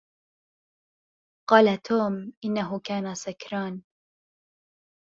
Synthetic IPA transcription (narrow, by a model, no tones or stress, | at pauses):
qɑːlat̪ʰoːmʔɪnːaɦʊkaːnasakɾɑːn